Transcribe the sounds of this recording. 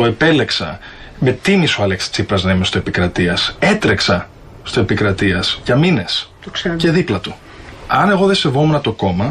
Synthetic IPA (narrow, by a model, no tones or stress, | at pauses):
oe̞pele̞ksɐ̰ | me̞t̪imisuɐlekse̥t͡sipɾɐznɐimest̪oepikɾɐt̪iɐse̞t̪ɾe̞ksɐ | st̪oe̞pikɾɐt̪iɐsʝɐmine̞st̪oseɾe̞ðiplɐt̪u | ɐne̞ɣo̞ðe̞se̞vo̞menɐt̪o̞ko̞mɐ